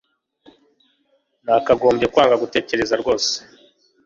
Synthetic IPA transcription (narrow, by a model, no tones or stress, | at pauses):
nakaɡo̞ːmbje̞kwaːŋɡaɡute̞ːce̞ɾe̞zaɾɡo̞ːse̥